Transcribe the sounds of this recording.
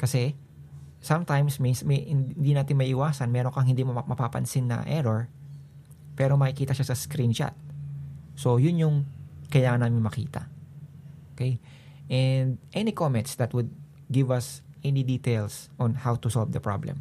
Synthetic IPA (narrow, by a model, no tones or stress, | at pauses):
kɐsɛ | sɐ̃mt̪ãjmsminsmnnd̪inaːt̪ɪŋmɐʔɪwaːsɐnmɛːɾoŋkɐŋhɪnd̪imomɐpapɐ̰nsɪnːɐ̰ʔɛɾoɹ | pɛːɾomɐkɪkiːt̪ɐʃasɐskɾint͡ʃa̰t̪̚ | so̞jʊnjʊŋkɐjaːŋɐnːaːmɪnmɐkḭːt̪ɐ̰ | ʔokɛj | ʔɛnd̪ʔɛnikomɛ̃nt̪sd̪ɐt̪̚wʊd̪̚ | ɡɪvɐsʔɛnid̪iːt̪ejlsʔɔ̃nhawt̪ʊsɔlvd̪ɐpɹa̰blɛ̰m